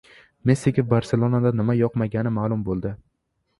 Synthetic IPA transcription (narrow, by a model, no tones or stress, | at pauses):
mesikʲofbaɾselˠonad̪anɪmajɒqmaɡʲanɪmaːlˠʊmbolˠd̪ɪ